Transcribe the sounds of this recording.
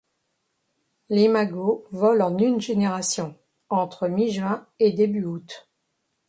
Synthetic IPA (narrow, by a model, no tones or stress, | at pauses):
lemaɡovɔlɑ̃nynʒeneʁasjɔ̃ | ɑ̃t̪χəmiʒɥɛ̃ | ed̪ebyut̪